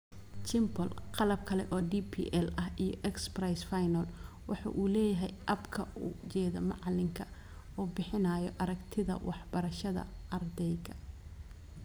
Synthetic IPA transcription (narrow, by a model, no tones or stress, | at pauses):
t͡ʃɪmbɔlqɑlɐb̚kʰɐlɛ̰ʔɔːɖipʰḭːʔɛlɐɦijɔ̰ʔɛksprajsfajnɐl | wɑ̰ħɑ̰ːʔuːlɛːjɐɦɛjʔɐbkʰɐṵːt͡ʃɛːðɐmɑʕlɪŋkʰɐ | ɔːbɪħɪnaːjɔʔɐɾɐɡt̪ʰɪðɐ̰wɑħbɐɾɐʃɐðɐ̰ɐrd̪ɛjɡʰɐ̥